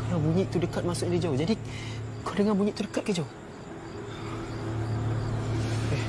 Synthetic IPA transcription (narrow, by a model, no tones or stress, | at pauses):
kalawbuɲĩʔt̪udəkat̪̚masʊʔ̚ɲadid͡ʒawd͡ʒadikodəŋanbuɲĩʔt̪udəkat̪̚kad͡ʒau